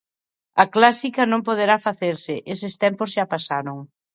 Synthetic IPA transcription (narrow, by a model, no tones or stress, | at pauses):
ɐklasikɐnõmpoðeɾafaθeɾsɪʔesɪst̪ɛmpozʃapasaɾoŋ